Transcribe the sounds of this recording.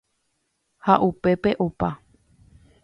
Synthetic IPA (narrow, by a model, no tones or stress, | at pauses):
haʔupe̞pe̞ʔopa